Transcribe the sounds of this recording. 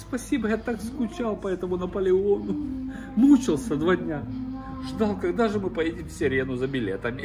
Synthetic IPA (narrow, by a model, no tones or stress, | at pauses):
spɐsʲibəjat̪akskʊt͡ɕalˠpɐɛt̪əmʊnɐpəlʲɪonʊ | mut͡ɕɪlˠsʲəd̪vadʲnʲaʐd̪alˠkɐɡd̪aʐɨmɨpɐjedʲɪmfsʲɪɾʲenʊzəbʲɪlʲet̪əmʲɪ